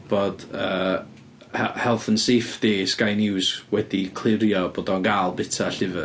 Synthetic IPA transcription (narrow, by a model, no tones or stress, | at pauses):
b̥oːd̥əː | hɛhɛlˠθənseːfd̥eːskajnɪwswɛdikʰl̥ˠɪɾjɔboːdɔnɡaːlˠbɪtʰaɬɪvɨ